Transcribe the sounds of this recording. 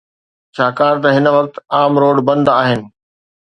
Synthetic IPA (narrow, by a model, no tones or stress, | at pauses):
t͡ɕʰaːkaːɾt̪ɐɦɪnʋɐk̚t̪aːmɾoːɽbɐ̃nd̪aːɦɪnɪ̆